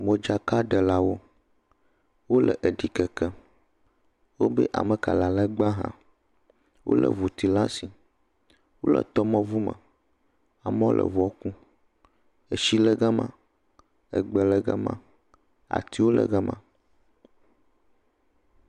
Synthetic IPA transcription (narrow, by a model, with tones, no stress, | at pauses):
wõ˨d͡ʒa˦ka˦ɖə˨la˦wo˦ | wo˦lə̰˨ʔə˨ɖi˨kɛ˨kɛ˦ | wo˦be˦ʔa̰˨mə˨ka̰˨la˨lə˦ɡ͡ba˦ɦã̰˦ | wʔo̰˦lə̰˨vu˨t̪i˨la˦si˨ | wo˦lə̰˨t̪ɔ˦mɔ̃˦vu˦mə̰̃˨ | a˨m˦lʔə̰˨vɔ˦kũ˦ | ə˨ʃi˦lə˦ɡa˦mã̰˦ | ə˨ɡ͡bə˨lə˦ɡa̰˦mã̰˦ | a̰˨t̪i˦wo˦lə̰˨ɡa˦mã̰˨